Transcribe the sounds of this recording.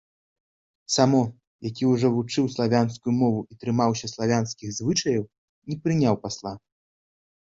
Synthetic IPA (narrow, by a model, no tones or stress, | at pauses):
samɔ | jakʲiuʐɔvut͡ʂɨwslˠavʲanskujumɔvuʔit̪ɾɨmawsʲɐslˠavʲanskʲiɣzvɨt͡ʂɐjɐw | nʲɛpɾɨnʲawpaslˠa